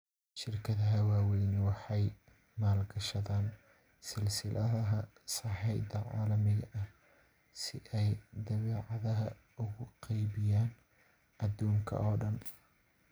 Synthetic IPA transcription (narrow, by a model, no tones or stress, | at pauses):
ʃɪrkʰɐðɐɦɐwaːwɛjnwɑħɑj | maːlɡɐʃɐðaːn | sɪlsɪlʔɐðɐɦɐ | sɑħɛjd̪ɐʕɑ̰ːlɐmɪɣɐʔɐh | sɪʔɛjd̪ɐβɛːʕɑðɐɦɐ | ʊɣʊqɑjbɪjaːn | ʔɐd̪uːŋkʰɐ̰ʔɔːɖɐn